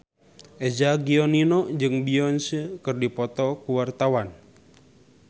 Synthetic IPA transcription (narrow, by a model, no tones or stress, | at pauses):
ʔɛd͡ʒaɡiɔninɔd͡ʒɨŋbiɔnsəkɨrdipɔt̪ɔkuwart̪awan